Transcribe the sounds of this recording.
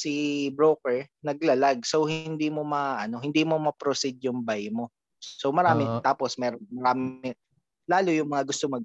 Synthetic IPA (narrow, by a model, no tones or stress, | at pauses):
sibɾoːkɛɹnɐɡ̚lɐlaɡ̚sowhɪnd̪iːmomɐaʔɐno̞hɪnd̪iːmomɐpɾosid̪jʊŋbajmo̞ | sowmɐɾaːmɪt̪aːposmɛːɾonmɐɾaːmɪ | laːlojʊŋmɐŋaɡʊst̪omɐɡ̚